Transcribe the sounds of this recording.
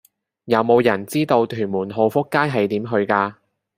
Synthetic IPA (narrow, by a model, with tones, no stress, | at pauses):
jɐ˨˧wmo˨˧wjɐ˨˩nt͡siː˥t̪o˧wt̪ʰyː˨˩nmuː˨˩nɦo˨˧wfʊ˥kːaː˥jɦɐ˨jt̪iː˨˥mɦɵ˧ɥkaː˧